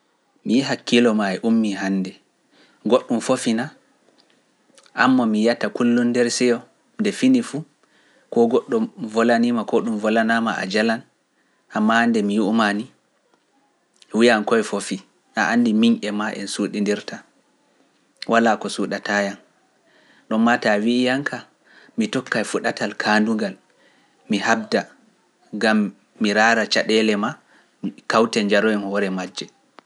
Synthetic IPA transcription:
mijiɦakːilɔmajɛʔumːiɦanːdɛ | ɡoɗːumfofina | ʔamːɔmijatakulːundɛɾsɛjɔ | ndɛfinifu | kɔɡɔɗːɔmvɔlanimakɔɗumvɔlanamaʔa̰d͡ʒalan | ʔamːahandɛmijuʔmani | wijankɔjɛfofi | ʔa̰ʔandimiɲʔɛmaʔɛ̰nsuɗindiɾtʰa | wʔalakɔsuɗatʰajan | ɗɔnmatawiːjaŋkʰa | mitɔkːajfuɗatalkʰanduŋɡal | mihab̚da | ɡamː | iɾaːɾat͡ʃaɗɛlɛma | kawtɛɲd͡ʒaɾɔɛmɔɾɛmad͡ʒːɛ

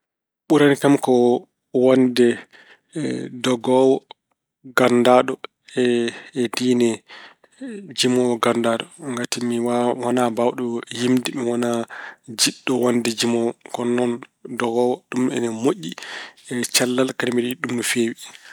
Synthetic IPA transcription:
ɓuɾanikamkɔ | wandɛ | dɔɡɔwɔ | ɡandaːɗɔ | ɛdiːnɛ | d͡ʒimɔwɔɡandaɗɔŋɡatimiwwanabawɗɔjimdimiwɔnad͡ʒiɗːɔwandɛd͡ʒimɔwɔkɔnːɔndɔɡɔːwɔɗumɛ̰nɛmoʔiɛt͡ʃalːalkanimiɗiɗumːifewi

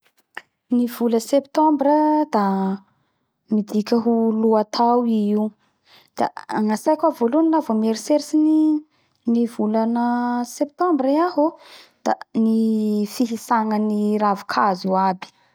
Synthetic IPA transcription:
nivuləsept̪ɔmbɾəd̪a | mid̪ikʲəɦuluat̪ʰawiu | d̪̥a̰aŋasajkʲavolunilavomeɾiseɾisini | nivulanəsep̚t̪ɔmbɾiaɦod̪̥a̰nifiɦisaŋəniɾavi̥kʰazuabi̥

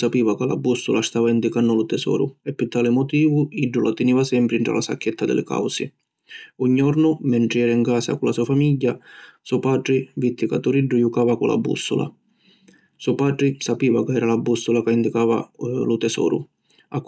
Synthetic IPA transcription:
sapiːvakala̰bːusʊlast̪aːvaind̪ikanːʊlʊt̪ɛsɔ̰ːɾʊ̰ɛpːɪt̪aːlɪmɔt̪iːvʊiɖːʊlat̪ɪniːvasɛmpɾiɳʈ̪ɾa̰lasa̰kːɛt̪ːad̪ɪ̰lɪ̰ka̰wsɪ̰ | uɲːɔɾnʊmɛɳʈɾɪɛːɾaiŋkaːsa̰kʊlasuːafamiʎːasuɔpaːʈ̪ɾɪvit̪ːikat̪ːuɾiɖːʊjukaːvakʊlʔa̰bːṵsːʊ̰la̰ | suɔpaːʈ̪ɾɪsapiːvakaɛːɾalabːusʊlakaind̪ikaːva̰lʊt̪ɛsɔ̰ːɾʊ̰ | akː

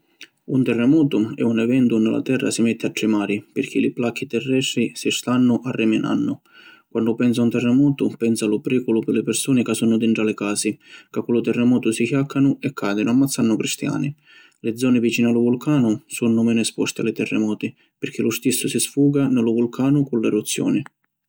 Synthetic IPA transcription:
unt̪ɛrːɛmɔːt̪ʊɛ̰unɛvɛnt̪ʊnɪlʔa̰t̪ɛrːa̰sɪmɛt̪ʰːɪaʈ̪ːɾɪmaːɾipɪrkʰilɪplakʰːit̪ɛrːɛst̪ɾisɪst̪anːʊʔarːɪmɪna̰nːʊ | kwanːɖʊpɛns̬aunt̪ɛrːɛmɔːt̪ʊpɛnsalʊpɾiːkʊlʊpɪlːɪpɪrsuːnɪkasːunːʊd̪ɪɳʈɾalɪkaːsikakːulʊt̪ɛrːɛmɔːt̪ʊsikjakʰːanʊɛkʰːaːd̪ɪnʊamːat̪sːanːʊkɾist̪ja̰ːnɪ | lɪd̪zːɔːnɪvit͡ʃiːnɪalʊvulkʰaːnʊsunːʊmɛːnʊɛspɔst̪ɪa̰lɪt̪ɛrːɛmɔːt̪ɪ | pɪɾk̟ʰilʊst̪isːʊsɪsfuːɡanɪlʊvʊlkʰaːnʊkʊnlɛrut̪sːjɔ̰ːnɪ

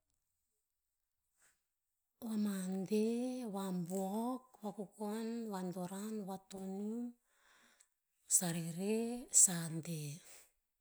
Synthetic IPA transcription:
wamandeβambuokwakukonβandoɾanβatonum | saɾiɾesande

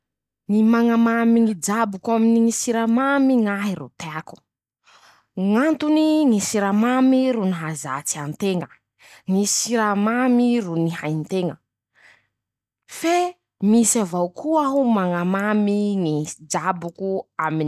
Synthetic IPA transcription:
nimaŋamamiŋid͡ʒabukaminiŋisiɾamamiŋaɦirṵt̪eaku̥ | ŋant̪uniŋisiɾamamiɾuniɦaza̰t͡siant̪eŋə | ŋisiɾamamirunihajnt̪eŋə | fe | misavawkʰuaɦumaŋamamiŋid͡ʒabukuamin

